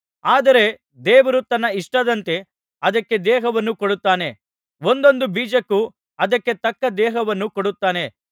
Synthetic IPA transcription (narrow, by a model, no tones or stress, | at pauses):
aːd̪ɐɾe̞ | d̪ɛːʋɐɾut̪ɐnːɐiʂʈɐd̪ɐnt̪e̞ | ɐd̪ɐkːe̞d̪ɛːɦɐʋɐnːukoɽut̪ːaːne̞ | ʋo̞nd̪o̞nd̪ubiːd͡ʒɐkːu | ɐd̪ɐkːe̞t̪ɐkːɐd̪ɛːɦɐʋɐnːukoɽut̪ːaːne̞